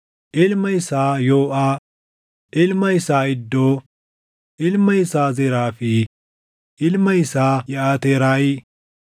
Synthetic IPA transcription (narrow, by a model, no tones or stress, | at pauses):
ʔɪlmɐjsaːjoːʔaː | ʔɪlmɐjsaːɪd̪ːoː | ʔɪlmɐjsaːzɛɾaːfi | ʔɪlmɐjsaːjɛaːt̪eːɾaːjiː